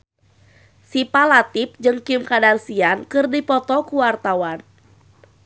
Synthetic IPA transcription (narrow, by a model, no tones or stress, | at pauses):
sipalat̪ip̚d͡ʒɨŋkimkadarsiankɨrdipɔt̪ɔkuwart̪awan